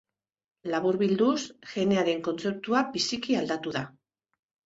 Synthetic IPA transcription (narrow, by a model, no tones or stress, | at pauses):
laβuɾβild̪usʝe̞ne̞aɾe̞ŋko̞nt͡se̞p̚t̪uabisikiald̪at̪uða